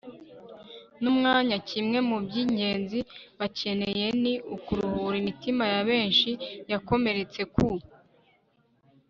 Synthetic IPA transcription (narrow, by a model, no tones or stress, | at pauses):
numŋaːɲacimŋe̞mubɟiːɲɟe̞ːnziβace̞ne̞je̞niʔukuɾuhuɾimitimajaβe̞ːnʃijako̞me̞ɾe̞t͡se̞ku